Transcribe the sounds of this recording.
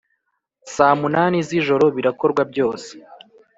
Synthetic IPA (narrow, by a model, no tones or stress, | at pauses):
saːmunaːniziʒo̞ɾo̞βiɾako̞ɾɡwabɟo̞ːse̥